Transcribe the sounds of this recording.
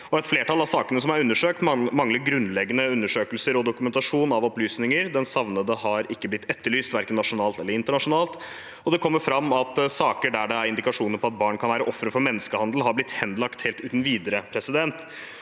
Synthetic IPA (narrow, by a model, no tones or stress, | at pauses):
ɔɛt̪fleːʈʰɑlɑʋsɑːkənəs̬ɔmæɾʉnːəʂøːk̚t̪mɑŋːləɡɾʉnlɛɡːənəʉnːəʂøːkəlsəɾɔd̪ʊkʉmɛnt̪ɑʂuːnɑʋɔplyːsnɪŋəɾd̪ɛnsɑʋnəd̪əhɑɾɪkːəblɪt̪ʰːɛt̪ːəɭyːst̪ʋæɾkənːɑʂʊnɑːlt̪ɛlːəɾɪnt̪əɳɑʂʊnɑːlt̪ | ɔd̪ɛkʰɔmːəɾfɾɑmːɑt̪sɑːkəɖæɖɛæɾɪnd̪ɪkɑʂuːnəɾpɔɑt̪̚bɑːɳkʰɑnʋæːɾəʔɔfːɾəfɔɾmɛnːəskəhɑnd̪l̩ɦɑɾblɪt̪ːhɛnd̪lɑkt̪heːlt̪ʉːt̪n̩ʋiːd̪əɾəpʰɾɛsɪd̪ɛnt̪